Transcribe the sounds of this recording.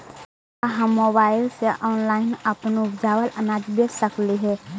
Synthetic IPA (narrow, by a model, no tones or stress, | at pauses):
aɦəmːoːbaːɪlseʔɔːnlaːɪnɐpnʊbd͡ʒaːwələnaːd͡ʒbəsəkliɦɛ